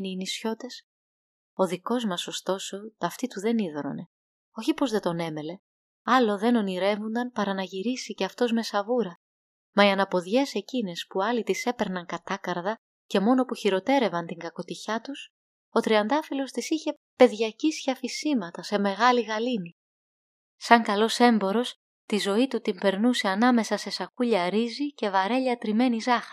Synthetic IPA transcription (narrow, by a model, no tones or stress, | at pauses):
niinisço̞t̪e̞s | o̞ðiko̞zmɐso̞st̪o̞so̞t̪ɐft̪it̪uðe̞niðɾo̞̰ne̞ | o̞çipo̞zðe̞t̪o̞ne̞me̞le̞ | ɐlo̞ðe̞no̞niɾe̞vund̪ɐnpɐɾɐnɐʝiɾisiceɐft̪o̞zme̞sɐvuɾɐ | mɐiɐnɐpo̞ðʝe̞se̞cine̞spuɐlit̪ise̞pe̞ɾnɐŋkɐt̪ɐkɐɾðɐ | ce̞mo̞no̞puçiɾo̞t̪e̞ɾe̞vɐnt̪iŋɡɐko̞t̪içɐt̪us | o̞t̪ɾiɐnd̪ɐfilo̞st̪isiçe̞ | pe̞ðʝɐcisçɐfisimɐt̪ɐse̞me̞ɣɐliɣɐlini | sɐŋkɐlo̞se̞mbo̞ɾo̞s | t̪izo̞it̪ut̪impe̞ɾnuse̞ɐnɐme̞sɐse̞sɐkuʎɐɾizice̞vɐɾe̞ʎɐt̪ɾime̞nizɐxɾi